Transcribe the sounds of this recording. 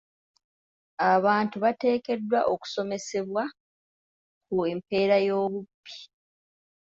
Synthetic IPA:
aβaːntuβate̞ːke̞dwaʔoku̥so̞me̞se̞βwa | kuempe̞ːɾajo̞ːβupːi̥

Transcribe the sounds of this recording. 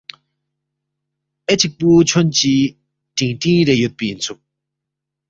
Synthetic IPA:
ʔet͡ɕʰik̚put͡ɕʰɔnt͡ɕi | ʈ͡ʂiŋʈ͡ʂiŋɹejøt̪̚peːjint͡sʰu

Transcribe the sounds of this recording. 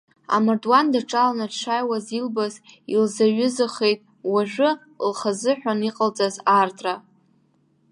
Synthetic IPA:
a̰mardwandaʈ͡ʂʼalanaʂʰʷajwazilbazḭlzaɥʏzɨχe̞jtʼ | waʒᶣʷʊ | lχazɨħʷᶣaniqʼalt͡sʼazartʰʼra

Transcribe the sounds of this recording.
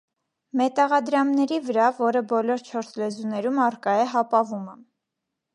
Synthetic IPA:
mɛt̪ɑʁɑd̪ɾɑmnɛɾivəɾɑvɔɾəbɔlɔɾt͡ʃʰɔɾslɛzunɛɾumɑrkɑɛɦɑpɑvumə

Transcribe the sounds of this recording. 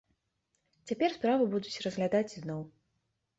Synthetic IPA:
t͡sʲapʲɛrspɾavɨbud̪ut͡sʲrɐzɣlʲad̪at͡sʲznɔw

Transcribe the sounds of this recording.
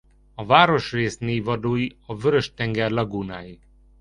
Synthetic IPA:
ɒvaːɾo̞ʃreːsneːvɒd̪oːjiɒvøɾøʃt̪ɛŋɡɛrlɒɡuːnaːji

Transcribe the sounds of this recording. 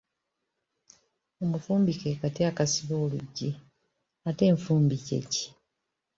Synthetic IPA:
o̞mufuːmbikekatiakasiβo̞ːluɟːi | ate̞ːɱfuːmbicḛci̥

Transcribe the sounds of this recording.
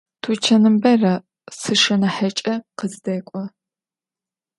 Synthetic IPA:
tʰut͡ʃʰɐnɨmbɐrɐ | sɨʂɐnɐħɐt͡ʃʼɐqəzdɐːkʷʼɔ

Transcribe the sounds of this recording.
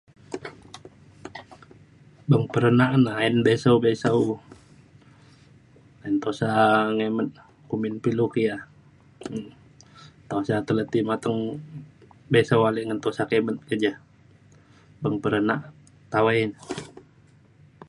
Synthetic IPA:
bəŋpəɾənaʔnainbesaubesau | aint̪osaŋemət̪̚ | kuminpilukija | t̪asat̪ələt̪imat̪əŋ | besawaliʔŋənt̪osakemət̪̚kəd͡ʒa | bəŋpəɾənaʔ | t̪awain

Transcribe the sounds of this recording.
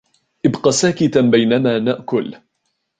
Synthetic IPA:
ʔɪbqɑsaːkɪt̪abajnamaːnaʔkʊl

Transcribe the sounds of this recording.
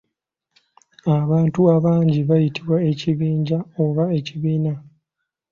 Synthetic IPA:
aβaːntuaβaːɲɟiβajitiβwae̞ciβiːɲɟaoβae̞ciβiːna

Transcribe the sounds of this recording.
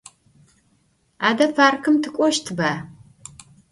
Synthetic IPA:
aːdɐfʰaːrkʰɨmtʰɨkʷʼɔʃtʰɨbaː

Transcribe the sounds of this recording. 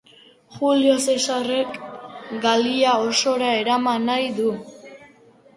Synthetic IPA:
xulio̞se̞sare̞kɡaliaoso̞ɾae̞ɾamanːajðu

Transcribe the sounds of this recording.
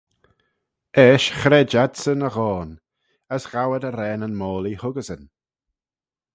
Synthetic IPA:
ɛːʃxɾɛːd͡ʒadsənəɣɔːn | əsɣ̥awədəɾɛːnənmɔːlihʊɡəzən

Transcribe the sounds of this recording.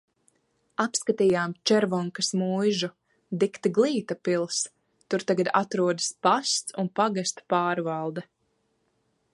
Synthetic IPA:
apskat̪iːjaːmt͡ʃɛɾvɔŋkasmujʒu | d̪ikt̪iɡlˠiːt̪apilˠs | t̪uɾt̪aɡad̪a̰t̪ɾuɔd̪aspast̪sunpaɡast̪paːɾvalˠd̪ɛ

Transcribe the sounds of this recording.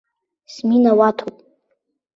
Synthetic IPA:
sminawatʰopʼ

